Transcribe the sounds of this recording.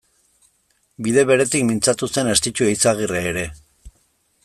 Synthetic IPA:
biðe̞βe̞ɾe̞t̪ikmint͡sat̪use̞ne̞st̪it͡ʃuejt͡saɣ̞ireːɾe̞

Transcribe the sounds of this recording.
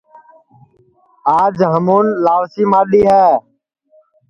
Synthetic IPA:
aːd͡ʒɦəmuːnlaːʋsiːmaːɗiːɦɛː

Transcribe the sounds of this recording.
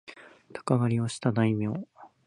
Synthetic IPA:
t̪ʰḁkaβaɾʲio̞ɕi̥t̪ad̪aimʲeo

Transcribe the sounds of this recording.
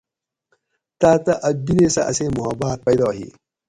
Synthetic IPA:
t̪aːt̪ɐʔɐd̪inesɐʔɐseːmʊɦɐbaːt̪̚pɐjd̪ɑːɦḭː

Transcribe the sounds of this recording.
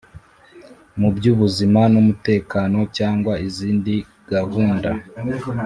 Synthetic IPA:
mubɟuːβuzimanumute̞ːkaːno̞caːŋɡwaiziːndi | ɡ̥aɦuːnda̰

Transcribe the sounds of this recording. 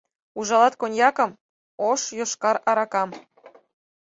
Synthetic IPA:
uʒɑlˠɑt̪konʲjɑkɤ̆m | oʃjoʃkɑɾɑɾɑkɑm

